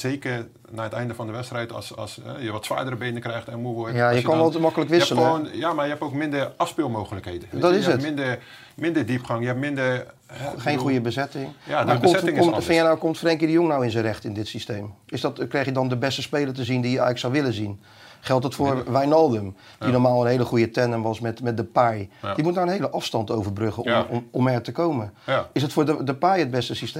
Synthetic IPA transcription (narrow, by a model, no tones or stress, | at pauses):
z̥eːkər | naːətɛjndəfɔndəʋɛtstrɛjtsɑ̰sɛ̰jəʋɔtsʋa̰ːdərəbeːnəkrɛjxtɛnmuojajəkɔnʋɔlˠtmɔkələkʋɪsələonjamajəɦɛpoːkmɪndəɑfspɪlˠmoːɣələkhejdədɔtɪsətmɪndə | mɪndədipχaŋjəɛpmɪndə | xejnxujəbəzɛtɪŋjamakoɪŋkmfɪjanawkomtfrejŋkjədəjoŋnawɪnzənrɛχtɪndɪtsistejmɪsdɔtkrejχjədɔndəbɛstəspejlərtəzindijəɛ̰jəksawʋɪləzin | χɛlˠtdətfʊːɹʋɛjnɔlˠdəm | d̥inoɹmaːlˠənɦejləχujətɛnəmʋɑsmɛtmɛt̚dəpajdimutnawənɦejləʔɑfstɑntowvərbrøχəɔmɔmɛɹtəkowmənɪsətfʊːɹdədəpajəd̚bɛstəsist